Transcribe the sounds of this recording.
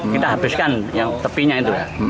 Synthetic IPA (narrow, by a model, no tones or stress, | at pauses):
kkit̪aɦabɪskanjaŋt̪əpiɲait̪uja